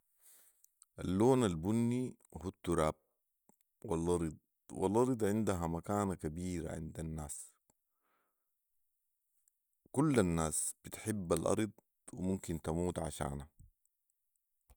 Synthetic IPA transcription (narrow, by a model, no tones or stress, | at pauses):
ʔalːoːnalbunːihut̪ːuɾaːb̚ | walʔɑɾˤd̪̚ˤ | wa̰lʔɑɾˤd̪ˤʕɪnd̪aɦamakaːnakabiːɾa̰ʕɪ̰nd̪anːaːs | kulːanːaːsb̥it̪ħɪbːalʔɑ̰ɾˤd̪ˤ | wimumkint̪amuːt̪ʕa̰ʃa̰ːna